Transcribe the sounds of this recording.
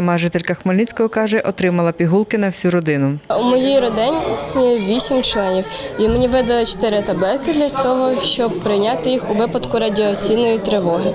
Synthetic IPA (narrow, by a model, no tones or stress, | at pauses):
ɐmɑʒɪt̪elʲkɐxmɔlʲnit͡sʲkɔɦɔkɑʒɛʔɔt̪ɾɪmɐlˠɐpʲiɦulˠkɪnɐwsʲuɾɔd̪ɪnʊumɔjijɾɔd̪ɛnʲiʋʲisʲimt͡ʃlˠɛnʲiw | imenʲiʋɪd̪ɐlˠɪt͡ʃɔ̥t̪ɪɾɪt̪ɐbɛlkɪd̪lʲɐt̪ɔɦɔʃt͡ʃɔb̚pɾɪjnʲɑt̪ɪjixuʋɪpɐd̪kʊɾɐdʲiɔt͡sʲijnɔjit̪ɾɪʋɔɦɪ